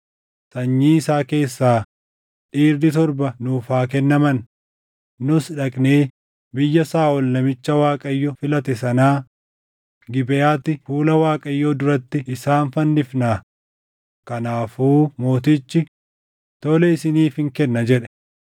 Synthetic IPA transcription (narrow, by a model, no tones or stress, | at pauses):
sɐɲːiːɪsaːke̞ːsːaː | ᶑiːɾd̪ɪt̪ɔɾbɐnʊːfaːk̬ɛnːɐmɐnː | ʊsᶑɐkʼneː | bɪjːɐsaːʔɔlnɐmɪt͡ʃːɐwaːkʼɐjːɔfɪlɐt̪ɛsɐnaː | ɡɪbɛjaːt̪ːɪfuːlɐwaːkʼɐjːoːd̪ʊɾɐt̪ːɪʔɪsaːnfɐnːɪfnaː | kɐnaːfuːmo̞ːt̪ɪt͡ʃːɪ | t̪ɔlɛɪsɪniːfhɪŋkɛnːɐd͡ʒɛᶑɛ̥